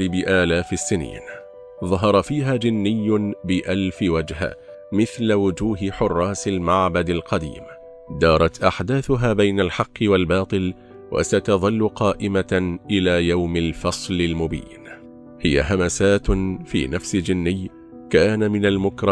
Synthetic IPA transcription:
ɪbɪʔaːlaːfɪsːɪnḭːn | ðˤɑɦɑɾˤɑfiːɦaːd͡ʒɪnːɪjːʊbɪʔalfɪwad͡ʒha̰ | mɪθlawʊd͡ʒuːɦɪħʊrˤːɑːsɪlmaʕbad̪ɪlqɑd̪ḭːm | d̪ɑːɾˤɑt̪ʔaħd̪aːθʊɦaːbajnalħɑqːɨwalbɑːt̪ˤɨl | wʔa̰sat̪ɑðˤɑlːʊqɑːʔɪmaʔɪlaːjawmɪlfɑsˤlɪlmʊbḭːn | hɪja̰ɦamasaːt̪fḭːnafsɪd͡ʒɪnːɪjː | kaːnamɪnalmʊkɾˤɑ

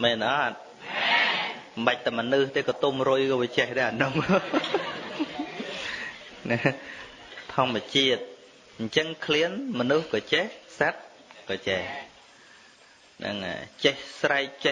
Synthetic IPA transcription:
mɛːnʔɑːt̪̚ | mɓac̚t̪amənɨht̪eːkɑt̪umrʊjkɑːʋiət͡ɕɛhɗaɛanəŋː | nɨ | t̪ʰŏəmːɛət͡ɕiət̪̚ | ɲt͡ɕəŋkʰliənmɔnuhkɑːt͡ɕehsat̪̚ | kɑːt͡ɕeh | nɨ̰ŋa̰t͡ɕehsraɛk̚t͡ɕe

